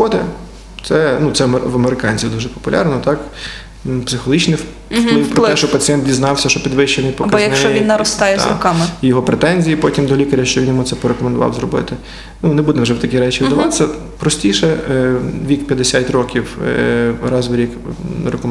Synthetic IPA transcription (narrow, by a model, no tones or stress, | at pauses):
ɔd̪ɛ | t̪sɛnut̪sɛʋɐmeɾɪkɑnʲt͡sʲiwd̪uʒɛpɔ̥pʊlʲʔɑ̰ɾnɔt̪ɑk | psɪxɔlˠɦit͡ʃnɪw | plˠɪwpɾɔlɛʃt͡ʃɔpɐt͡sʲijɛnt̪dʲiznɑwsʲɐʃt͡ʃɔpʲid̪ʋɪʃt͡ʃenɪjpɔbkɐɔjɐknʃt͡ʃɛɔjʲinːɐɾɔst̪ɑjɛzɾɔ̰kɑmɪjɔɦɔpɾet̪ɛnʲzʲijipɔtʲimd̪ɔlʲikɐɾʲɐʃt͡ʃɔʋinjɔmut̪sɛpɔɾekɔmend̪ʊʋɑ̰wzɾɔbɪ̰t̪ɪ | nunebud̪ɛwʒɛwt̪ɐkʲiɾɛt͡ʃiʋɪd̪ɐʋɑt̪ɪ̥sʲːɐ | pɾɔsʲtʲiʃɛ | ʋʲikpʲjɐd̪esʲatʲrɔkʲiw̰ | ɾɑzʋɾʲikɾekɔ